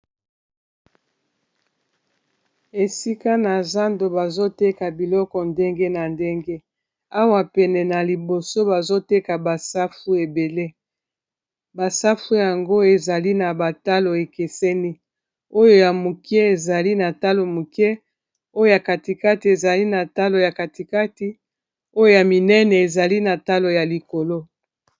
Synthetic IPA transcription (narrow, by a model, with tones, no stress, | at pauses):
e˨si˦ka˦na˨za˦ndo˨ba˨zo˦te˦ka˨bi˨lɔ˦kɔ˨nde˦ŋɡe˦na˨nde˦ŋɡe˦ | a˦wa˨pɛ˨nɛ˨na˨li˨bo˨so˦ba˨zo˦te˦ka˨ba˨sa˦fu˦e˨be˨le˦ | ba˨sa˦fu˦ja˨ŋɡo˦e˨za˨li˦na˨ba˨ta˦lo˨e˨ke˨sɛ˦ni˦ | o˦jo˦ja˨mu˨kɛ˦e˨za˨li˦na˨ta˦lo˨mu˨kɛ˦ | o˦jo˦ja˨ka˨ti˨ka˦ti˨e˨za˨li˦na˨ta˦lo˨ja˨ka˨ti˨ka˦ti˦ | o˦jo˦ja˨mi˨nɛ˦nɛ˨e˨za˨li˦na˨ta˦lo˨ja˨li˨ko˨lo˦